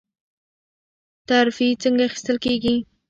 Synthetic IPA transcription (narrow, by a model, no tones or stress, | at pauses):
t̪aɾfit͡səŋɡaaχi̥st̪əlkeɡi